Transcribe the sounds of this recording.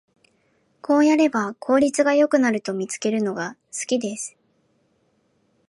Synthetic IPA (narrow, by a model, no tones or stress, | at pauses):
kʰo̞ːjaɾe̞bakʰo̞ːɾʲit͡sɨɡajo̞kɯ̟naɾɯ̟t̪o̞mʲit͡sɨ̥ke̞ɾɯ̟no̞ɡasɨ̥kʲid̪e̞sɨ̥